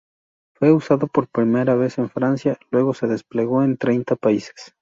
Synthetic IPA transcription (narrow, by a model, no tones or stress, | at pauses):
fwe̞usaðo̞po̞ɾpɾime̞ɾaβe̞se̞ɱfɾansjalwe̞ɣo̞se̞ðe̞sple̞ɣ̞o̞e̞nt̪ɾe̞jnt̪apaise̥s